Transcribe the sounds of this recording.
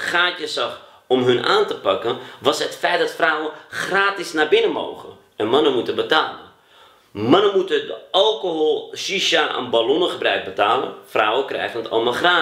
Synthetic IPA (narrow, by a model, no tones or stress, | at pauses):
χaːtəsɑx | ɔmɦɵnʔa̰ːntəpɑkənʋɑsɦətfɛjt̚dɑtfrawənχraːtɪsnabɪnəmo̰wɣə̰ | ɛnmɑnəmutəbətaːlə | mɑnənmutədəɑlˠkoɦolˠʃiʃaʔə̰nbalɔnəχəbrœɥk̚bətaːlə̰nfrawəkrɛ̰jɣənətʰɑ̰lˠmalˠχraː